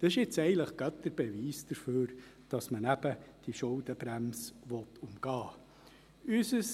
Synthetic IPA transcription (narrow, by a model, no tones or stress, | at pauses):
d̪̥ɑsɪʃɪt͡sɛɪɡəntləχɡ̥œt̪əɾb̥ɛʋiːsd̥̪əɾføːɾd̥ɑsmənæb̥əd̥iʃʊld̪əbɾæmsʋɔt̪ʰʊmɡ̥ɑː | ysəs